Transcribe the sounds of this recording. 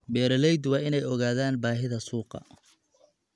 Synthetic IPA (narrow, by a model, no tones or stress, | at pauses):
bɛːɾɐlɛjd̪wɑːɪnɛjɔɣaːðaːnbaːɦɪðɐsuːqɑ̰